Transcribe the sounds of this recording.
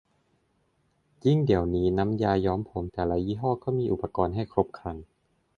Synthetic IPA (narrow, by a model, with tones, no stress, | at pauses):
ji˥˩ŋdi˨˩əwniː˦˥na˦˥mjaː˧jɔː˦˥mpʰo˩˦mt̪ɛː˨˩la˦˧˥jiː˥˩ɦɔː˥˩kɔː˥˩miː˧ʔu˨˩pːa˧kɔː˧nɦa˥˩jkʰɾo˦˥p̚kʰa˧n